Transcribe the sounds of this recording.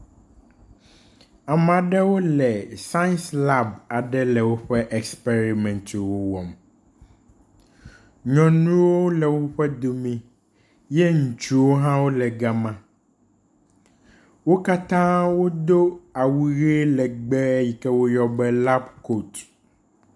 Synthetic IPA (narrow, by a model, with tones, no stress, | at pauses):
a˨m˨a˨ɖɛ˦wo˦lɛ˨sã˦nsla˦ba˨ɖɛ˦lɛ˨wo˦ɸɛ˦ʔɛ˨kspe˦ɾi˨mɛ̃˨nt̪wo˦wɔ˨m | ɲɔ̃˨nũ˦wo˦lɛ˨wo˦ɸɛ˦d̪o˨mĩ˦ | jɛ˦ŋũ˨t͡ʃu˦wo˦ɦã˦wo˦lɛ˨ɡa˨mã˦ | wo˦ka˦t̪ã˦wo˦d̪o˦a˨wu˦ɣe˦lɛ˨ɡ͡bɛ˦ji˨kɛ˦wo˦jɔ˦bɛ˦la˦bko˦˨t